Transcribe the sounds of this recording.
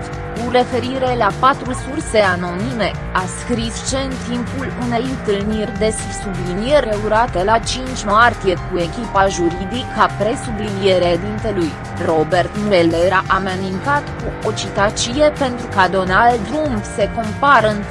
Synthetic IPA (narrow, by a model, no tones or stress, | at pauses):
kure̞fe̞ɾiɾe̞lapat̪ɾusurse̞ano̞nime̞ | askɾist͡ʃe̞ɨnt̪impulune̞jɨnt̪ɨlnirʲd̪e̞s | sublinjeɾʲeuɾat̪e̞lat͡ʃint͡ʃʲmart̪ije̞kue̞kʲipaʒuɾid̪ikʰːapɾe̞sublinieɾeed̪int̪e̞luj | ro̞be̞rt̪mueleɾaʔamanint̪at̪kuo̞t͡ʃit̪at͡ʃije̞pe̞nt̪ɾukad̪o̞nald̪ɾumbse̞ko̞mpaɾəɨn